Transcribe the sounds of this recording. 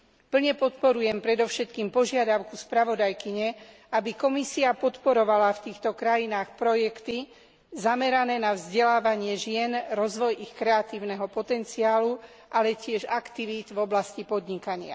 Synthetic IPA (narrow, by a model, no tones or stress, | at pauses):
pl̩ɲɛpɔt̪pɔɾujɛmpɾɛd̪ɔfʃɛt̪kiːmpɔʒɪad̪aʊkuspɾaʋɔd̪ajkiɲɛ | ʔabikɔmisiapɔt̪pɔɾɔʋalaft̪iːxt̪ɔkɾajinaːxpɾɔjɛkt̪i | zamɛɾanɛːnavzɟɛlaːʋaɲɪɛʒɪɛnɾɔzʋɔjʔixkɾɛat̪iːʊnɛɦɔpɔt̪ɛnt͡siaːlu | ʔalɛcɪɛʒakt̪iʋit̪vɔblascipɔd̪ɲikaɲɪa̰